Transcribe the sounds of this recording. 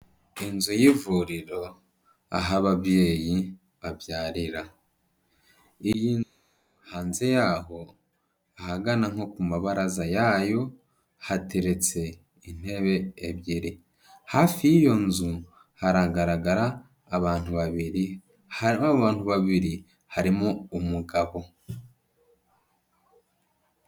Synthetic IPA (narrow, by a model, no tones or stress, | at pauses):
inzujivuɾiɾo̞ | a̰ɦaβaβjeːji | βaβjaːɾiɾa | ijin | haːnze̞jaːɦo̞ | aɦaɡanaŋ̥ho̞kumaβaɾazajajo̞ | hatʰe̞ɾe̞t͡se̞ | in̥e̞βe̞ːβjiɾi | hafijijo̞nzu | haɾaːɡaɾaɡaɾaː | βaːn̥uβaβiɾi | βaːn̥huβaβiɾi | haɾimo̞umuɡaβo̞